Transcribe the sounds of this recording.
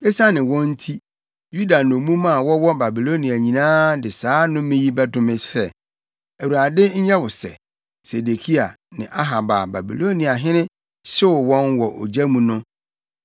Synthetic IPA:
ɛ˦sa˦nɪ̃˨wɔ̃˦n̩˦tʰi˦ | ju˦da˨n˨o˨mũ˦mã˦˨wɔ˦wɔ˦ba˨bi˨lo˦nĩ˨a˨ɲĩ˨nãː˦dɪ˨saː˨˦nʊ̃˦mɪ̃˦ji˦bɛ˦dʊ̃˦mɪ̃˦ssɛ˦˨ | æ˨wu˨ɾa˨dɪ˦ɲ̩˦ɲɛ˦wʊ˨sɛ̰˨ | se˨de˨kʰi˦a˨ | nɪ̰̃˨ʔa˦ɦa˨ba˨ba˨bḭ˨lo˦nĩ˨a˨ɦɪ̃˦nɪ̃˦ | ɕɪ˦wʊ˨wɔ̃˦nwɔ˨ʔo̰˨d͡ʑæ˦mũ˨nʊ̃˦

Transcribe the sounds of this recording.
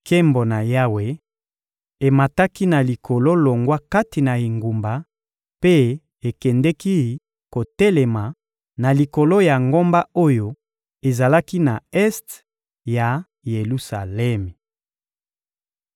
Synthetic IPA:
kʰe˦mbo˨na˨ja˦we˨ | e˨ma˨ta˦ki˦na˨li˨kʰo˨lo˦lo˨ŋɡwa˦ka˦ti˨na˨e˨ŋɡu˨mba˨ | pe˦ | e˨kɛ˨ndɛ˦ki˦ | ko˨tɛ˦lɛ˨ma˨ | na˨li˨ko˨lo˦ja˨ŋɡo˦mba˦o˦jo˦ | e˨za˨la˦ki˦na˨ɛ˦st | ja˨ | je˨lu˦sa̰˨lɛ˦m˨

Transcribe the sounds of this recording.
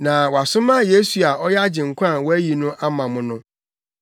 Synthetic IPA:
nã˨wɔ˨a˨sʊ̃˦mã˦je˦su˨a˨ʔɔ˦jɛ˦a˦d͡ʑɪ̃˨ŋ̩˨kʷʰã˦˨wɔ˦æ˦ji˨nʊ̃˦ʔa˦mã˨mʊ̃˦nʊ̃˦

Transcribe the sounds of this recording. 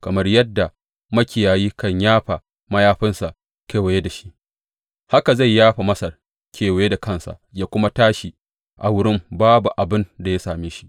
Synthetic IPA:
kɐ˨mɐ˦rjɐ˦dːa˨ | mɐ˦kʲɪ˨jaː˨jiː˦kɐ˦˨ɲjaː˦ɸa˨ | mɐ˦jaː˦ɸɪ˦nsa˨ʔ | keː˨we˨je˦da˨ʃi̥˦ʔ | ha˦ka˨za˦˨jːaː˦ɸa˨mɐ˦sɐ˨r | kʰʲeː˨we˨je˦da˨kɐ˦nsa̰˨jaː˦kʷʊ˦ma˦taː˦ʃi˨ | ʔa̰˨wʊ˦ɽɪ˦mbaː˦bu˨ʔa˨bɪ˦nda˨ja˦saː˨meː˦ʃi̥˦ʔ

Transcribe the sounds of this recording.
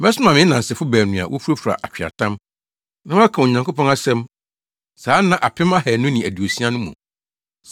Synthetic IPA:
bɛ˦sʊ˦mã˨mɪ̃˦nã˨sɪ˨fʊ˦bæː˨nʊ̃˨a̰˨wʔo̰˦fu˦ɾo˦fu˨ɾa̰˨ʔa˨t͡ɕᶣa̰˨tʰã˦m | nã˦m˦a˦kʰã˨o˨ɲã˨ŋko˦pɔ̃˦na˦sɛ̃˦m | saː˨˦nã˨ʔa˨pʰɪ̃˦ma˦hæ˨nʊ̃˦nĩ˨æ˨du˨o˨si˦a˦nʊ̃˦mṵ̃˨

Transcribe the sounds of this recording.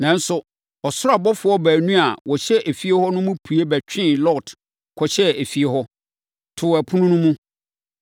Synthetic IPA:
nã˨n̩˦sʊ˨ | ɔ˨sʊ˦a˨bɔ˦fʊ˨˦ɔ˦bæː˨nũ˦a˨wɔ˨ɕɛ˦ʔæ˨fi˦e˦hɔ˦nʊ̃˦mʊ̃˦pʰu˨e˦bæ˨t͡ɕᶣɪ̃˦˨lɔ˦˨t | kʰɔ˨ɕɛ˦æ˨fi˨e˦ɦɔ˦ | tʰʊ˨æ˨pʰʊ̃˦nʊ̃˦nʊ̃˦mũ˦

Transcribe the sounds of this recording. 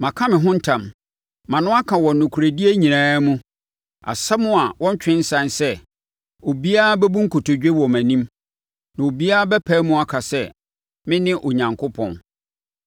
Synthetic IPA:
mã˨kʰã˦mɪ̃˨ɦʊ̃˦n̩˦tʰã˨m | mã˨nʊ̃˦a˦kʰa˨wɔ˨n˨nʊ̃˨kʰu˨ɾe˨di˦e˦ɲĩ˨nãː˦mũ˦ | a̰˨sɛ˦mʊ̃˦a˨wɔ̃˦ɲ˦t͡ɕᶣɪ̃˦n̩˦sã˦nsɛ˦ | o˨bi˦a˦a˦bɛ˦bu˦ŋ̩˦kʰo˨tʰo˨d͡ʑᶣe˦wɔ˨mæ̃˨nĩ˦m | nã˨o˨bi˦a˦a˦bɛ˦pʰæ˦mũ˦a˨kʰa˨sɛ˦˨ | mɪ̃˦nɪ̃˦ʔo˨ɲã˨ŋkʰʊ˦pʰɔ̰̃˨n

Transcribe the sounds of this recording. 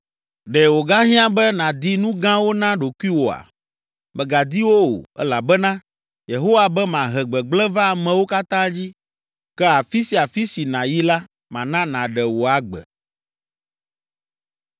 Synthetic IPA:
ɖɛ˨wo˨ɡa˦ɦĩ˦ã˦bɛ˦nã˨d̪i˦nũ˦ɡã˦wo˦nã˦ɖo˨ku˦i˦wo˨a̰˨ | bɛ˨ɡa˨d̪i˦wo˦o̰˨ɛ̰˦la˨bɛ˦nã˦ | je˨ɦo˦wa˨bɛ˦mã˨ɦɛ˨ɡ͡bɛ˨ɡ͡blɛ˦va˦˨mɛ̃˨wo˦ka˦t̪ã˦d͡ʑi˦ | kɛ˦a˨fi˦si˨˦a˨fi˦si˨nã˨ji˦la˦ | mã˨nã˦nã˨ɖɛ˨wo˨a˨ɡ͡bɛ̰˨

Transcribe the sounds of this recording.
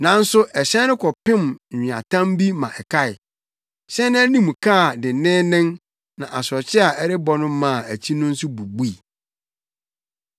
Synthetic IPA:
nã˨n̩˦sʊ˦ʔɛ˨ɕɛ̃˦nʊ̃˦kʰɔ˨pɪ̃˦mᶣ˨ɪ̃˨a̰˨tʰã˦mbi˦mã˨ʔɛ˨kʰa˦ɪ˨ | ɕɛ̃˦nɪ̃˦æ˦nĩ˦m˨kʰa˦˨dɪ˨nɪ̃˦nɪ̃˦ŋ | nã˨ʔa˨sɔ˨t͡ɕʰɪ˦a˨ʔɛ˦ɾɪ˦bɔ˨nʊ̃˦mã˦˨æ˨t͡ɕʰi˦nʊ̃˦n̩˦sʊ˦bu˨bu˦i˨

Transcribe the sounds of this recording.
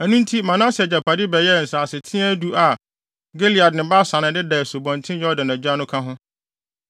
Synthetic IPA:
æ˨nũ˦n˦tʰi˦mã˨nã˦sɪ˨ɛ˨d͡ʑa˨pʰa˨dɪ˦bɛ˨jɛ˦˨n̩˨sa˨sɪ˨tʰɪ̃˦æ˦du˦ʔa˨ | ɡe˦li˨a˨dnɪ̃˨ba˦sã˨nɪ̃˨dɪ˦dɛ˨so˨bɔ̃˨n˨tʰɪ̃˦jɔ˦dã˨næ˨d͡ʑᶣa˦nʊ̃˦kʰã˦ɦʊ̃˦

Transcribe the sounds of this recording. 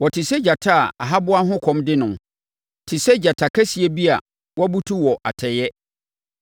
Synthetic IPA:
wɔ˨tʰɪ˨sɛ˦d͡ʑa˨tʰa˦˨a̰˨ɦa˦bʊ˦a˦ɦʊ̃˦kʰɔ̃˨mdɪ˦nʊ̃˨ | tʰɪ˨sɛ˦d͡ʑa˨tʰa˨kʰa˦si˨e˦bi˦a˨ | wɔ˦bu˦tʰu˦wɔ˨ʔa̰˨tʰɛ˨jɛ˦

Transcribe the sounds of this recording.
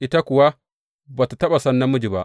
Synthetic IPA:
ʔi˦ta˦kʊ˨wa˦ | ba˨tu˨tɐ˦ɓa˨sɐ˦nːɐ˦mːʊ˦d͡ʒi˨ba˦ʔ

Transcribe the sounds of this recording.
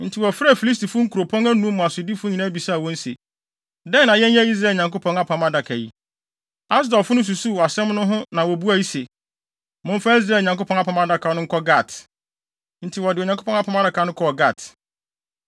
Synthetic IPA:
n̩˨tʰɪ˨wɔ˨fɾfi˨li˦s̬ti˨fʊ˦ŋ̩˦kʰu˨ɾo˨pʰɔ̃˦ŋæ˦nũ˦mʊ̃˨a˨sʊ˨di˦fʊ˦ɲĩ˨nãː˦bi˨sa˦˨wɔ̃˦n̩˦sḛ˨ | dɛ̃˦nã˨jɛ̃˦n˦jɛ˦i˦s̬ɾa˨˦˨ɲã˨ŋko˦pʰɔ̃˦ŋa˦pʰã˨ma˦da˨kʰa˨ji˦ | a˦s̬dɔ˨lfʊ˦nʊ̃˦s̬u˨su˦wa˨sɛ̃˦mnʊ̃˦ɦʊ̃˦nã˨wɔ˨bu˦a˨ji˦se˨ | mʊ̃˦m̩˦fa˦i˦s̬ɾaː˨˦lɲã˨ko˦pʰɔ̃˦a˦pʰã˨ma˦da˦kʰa˨˦nʊ̃˦ŋ̩˦kʰɔ˦ɡa˦˨t | n̩˨tʰɪ˨wɔ˨dɪ˨o˨ɲã˨ŋkʰo˦pʰɔ̃˦ŋ˦a˦pʰɔ̃˨˦m˦a˦da˨kʰa˨nʊ̃˦kʰɔ˦ɔ˨ɡa˦˨t

